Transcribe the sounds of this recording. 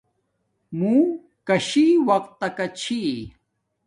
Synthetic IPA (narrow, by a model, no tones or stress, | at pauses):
mũ | kɐɕiwɐqt̪ːɐkɐt͡ɕʰi